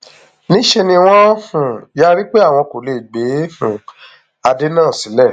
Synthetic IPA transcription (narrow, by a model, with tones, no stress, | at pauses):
nĩ˦ʃe˧nĩ˧w̃ɔ̃˦hũ˨ja˦ɾi˦k͡pe˦a˦˨w̃ɔ̃˧ko˨le˨ɡ͡be˨˦ũ˨ | a˧de˦nãː˦˨sĩ˨˦lɛ˦˨